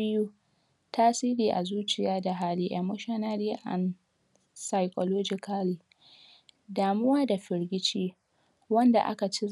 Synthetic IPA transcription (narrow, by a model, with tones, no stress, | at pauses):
ɪ˦ju˦ | taː˦siː˦ɾiː˨ʔa̰˨zuː˦t͡ʃɪ˨jaː˦da˨ɦaː˦liː˦ʔɐ˨mːʊ˦ʃɐ˦naː˦diː˦ʔa̰˨n | sa˨jkʼɔ˨loː˦d͡ʒɪ˨ka˦li˨ | daː˨mʊ˦waː˦da˨ɸɪ˨ɾɡʲɪ˦t͡ʃiː˦ | wɐ˦nda̰˨ʔa̰˦ka˨t͡ʃi˦